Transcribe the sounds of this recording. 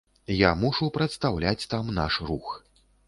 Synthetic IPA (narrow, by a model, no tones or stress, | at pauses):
jamuʂupɾɐt̪st̪awlʲat͡sʲt̪amna̰ʂrux